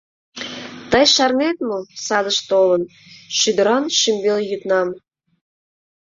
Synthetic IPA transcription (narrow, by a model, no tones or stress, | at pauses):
t̪əjʃɑrnet̪mosɑd̪əʃt̪olən | ʃyd̪əɾɑnʃymbeljyt̪nɑm